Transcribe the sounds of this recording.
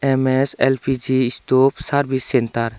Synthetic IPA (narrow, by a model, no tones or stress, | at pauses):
emeselpʰid͡ʒiːst̪opsaɾbʱisːɛnt̪aɾ